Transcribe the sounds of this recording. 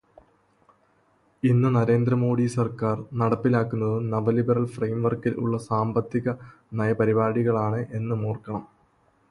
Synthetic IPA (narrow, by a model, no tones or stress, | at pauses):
inːɨnɐɾe̞ːnd̪ɾɐmo̞ːɽisɐrkaːrnɐɽɐpːilaːkːunːɐðɨnɐʋɐlibɐɾɐlfrejmʋɐrkilṵɭːɐsaːmbɐt̪ːiɣɐ | nɐjɐpɐɾibaːɽiɣɐɭaːɳɨʔe̞nːɨmoːrkɐɳɐm